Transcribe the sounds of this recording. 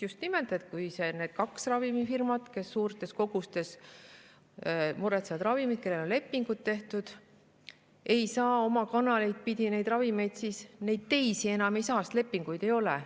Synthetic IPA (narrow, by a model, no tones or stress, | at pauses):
just̪nime̞ld̪e̞t̪̚kujse̞ne̞ːd̪̥kɑksrɑvimifirmɑt̪ke̞sːuːrt̪ˑe̞sko̞ɡ̥ust̪e̞s | muɾet̪sevɑd̪rɑvimid̪̥̚ke̞lːe̞lo̞nle̞pːiŋɡ̥ud̪̥̚t̪ːe̞ht̪ud̪̥ | e̞jsɑːo̞mɑkɑnɑlejd̪̥̚pid̪ʲine̞jd̪rɑvime̞jd̪̥siːsne̞jd̪̥̚t̪e̞jsie̞nɑmejsɑːst̪le̞pːiŋɡ̥ujd̪e̞jo̞lɛ̰